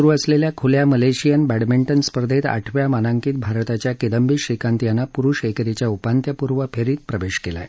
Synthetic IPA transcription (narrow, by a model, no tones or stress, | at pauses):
uɾuːəsleljakʰuljaməleɕijənbæɽmiɳʈənspəɾd̪ʱet̪a̰ʈʰʋjamanaŋkiːt̪̚bʱaɾt̪at͡ɕjaked̪əmbiːɕikãnt̪janːapuɾuːʂekɾet͡ɕjaupant̪jəpuɾʋəpʰeɾiːt̪̚pɾəʋeɕkela̰j